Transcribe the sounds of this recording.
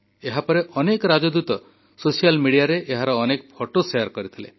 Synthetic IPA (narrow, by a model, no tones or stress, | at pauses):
eɦapɔɾeʔɔnekɔɾad͡ʒɔd̪ut̪ɔ | sosijalmiɽijaɾeʔeɦaɾɔːnekɔpʰɔʈosejaɾkɔɾit̪ʰilḛ